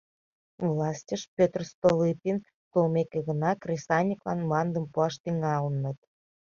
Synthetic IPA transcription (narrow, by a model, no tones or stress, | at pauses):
vlˠɑsʲtʲəʃpʲøt̪rst̪olipʲin | t̪olmʲekʲeɣə̆nɑkrʲisɑnʲiklˠɑ̰nmɑnd̪ə̆mpuɑʃt̪iŋɑunːə̆t̪